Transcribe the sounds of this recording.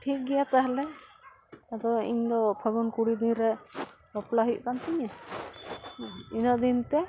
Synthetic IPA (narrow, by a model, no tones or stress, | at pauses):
ʈʰik̚ɡɛjat̪aɦlɛ | ad̪ɔḭɲd̪ɔpʰəɡɔnkuɽid̪inɾɛbɔplaɦuʔkant̪iɲa | inəʔd̪int̪ɛ